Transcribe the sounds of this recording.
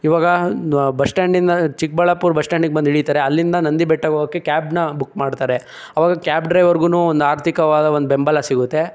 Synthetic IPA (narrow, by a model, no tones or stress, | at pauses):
iʋaːɡɐbɐsʈaːɳɖind̪ɐt͡ʃik̚bɐɭɐpuːɾbɐsʈaːɳɖiɡebɐnd̪ɦiɭit̪aːɾeɐlːind̪ɐnɐnd̪ibɛʈːɐɡoɡɐkːekʲaːbnɐbukːmaːɖt̪aːɾe̞ | ɐʋaːɡɐkʲaːbɖɾɐjʋɐɾɡuːnuːond̪uaːɾt̪ʰikɐʋaːd̪ɐʋond̪ubembɐlɐsiɡut̪ːe̞